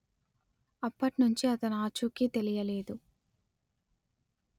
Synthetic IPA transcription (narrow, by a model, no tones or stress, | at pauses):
ɐpːɐʈnuɲt͡ʃiɐt̪ɐnaːt͡ʃukit̪e̞lijɐleːd̪u